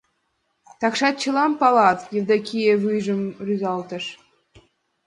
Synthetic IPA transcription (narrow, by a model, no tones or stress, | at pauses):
t̪ɑkʃɑt̪̚t͡ɕə̆lˠɑmpɑlˠɑt̪jə̆rd̪ɑkʲijeβɯjʒə̆mryzɑlˠt̪ɤ̆ʃ